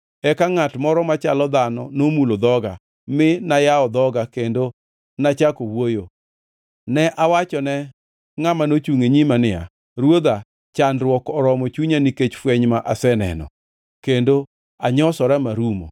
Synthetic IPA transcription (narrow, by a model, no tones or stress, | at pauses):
ɛkaŋatmɔɾɔmat͡ʃalɔd̪anɔ̰nomulod̪ɔɡa̰ | mɪnajaɔd̪ɔɡakendo | nat͡ʃakowojo | nɛʔawat͡ʃɔnɛ | ŋamanot͡ʃuŋeɲimanɪa̰ | ɾwod̪a | t͡ʃanɾwɔkɔɾɔmɔt͡ʃuɲaniket͡ʃfwɛɲmaʔasɛnɛ̰nɔ̰ | kendo | aɲɔsɔɾamaɾumo̰